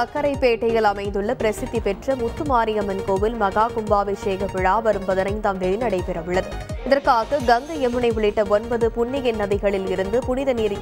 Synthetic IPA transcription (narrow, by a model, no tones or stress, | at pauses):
ɐkːɐɾɐɪpːeːʈːɐɪɣɐɭɐmɐɪnd̪ɯɭːɐpɪɾɐsɪðːipɛʈrɐmʊt̪ːɯmaːɾɪjɐmɐnkoːʋɪlmɐɣaːkʊmbaːʋɐɪseːɣɐpɪɻaːʋɐɾɯmbɐðɐnɐɪnt̪aːmd̪ɛlɪnɐɽɐɪpɛɾɐʋɯɭːɐðɯɪðɐrkaːɣɐɡɐŋɡ̪ɐɛmɯnɐɪʋɪɭɪʈːɐɔnbɐðɯpʊɳːɪɣɛnːɐðɪɣɐɭɪlɪɾɯnd̪ɯpʊɳɪðɐniːɾ